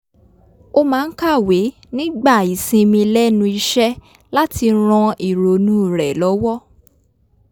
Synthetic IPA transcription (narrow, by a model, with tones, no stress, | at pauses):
o˧mãː˨˦n̩˦ka˦˨we˨˦ | nĩ˦ɡ͡ba˦˨i˨sĩ˧mĩ˧lɛ˦nũ˧i˧ʃɛ˦ | la˦ti˧ɾ̃ɔ̃˧i˦˨ɾo˨nũ˦˨ɾɛ˨lɔ˨˦wɔ˦